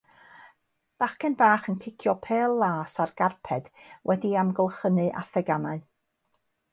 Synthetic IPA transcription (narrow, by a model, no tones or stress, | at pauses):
b̥aχkɛnbaːχəntʰɪkʰjɔpʰeːlˠːaːsarɡ̥arpʰɛd̥wʔɛdiamɡəlˠχənɨʔa̰θɛɡanaɨ